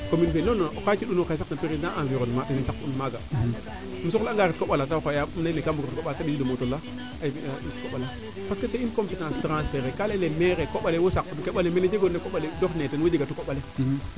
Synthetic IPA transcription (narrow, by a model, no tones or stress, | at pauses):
kominif̬elonːokat͡ʃiɗunokasnapiɾidaʔaviɾonmaɗinintakunmaɡa̰ | mis̬oklaŋɡaɾit̚koɓalatawkajaumnainekambuɾitkoɓaataɓisidomotola | atkoɓala | paskeseinkompitãstɾãnsfeɾekalelemeɾekoɓalewosak̚nkeɓalemeled͡ʒeɡonːekoɓaledoxnetenwed͡ʒeɡatukoɓaletimi